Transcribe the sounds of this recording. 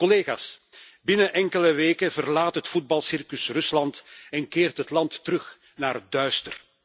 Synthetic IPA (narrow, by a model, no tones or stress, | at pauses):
kɔleːɣa̰ːsbɪnəʔɛŋkələʋeːkəvərlaːtɦətfud̚bɑlˠsɪrkəsrɵslɑntɛnkɪːrtɦətlɑntːəɾɵx | naːrdœɥstə̰r